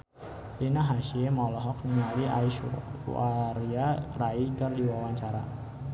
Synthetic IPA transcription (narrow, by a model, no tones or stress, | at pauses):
dinaɦaʃiemɔlɔɦɔk̚ɲaliʔa̰iʃṵṵaɾiakɾaikərdiwawaɲt͡ʃaɾa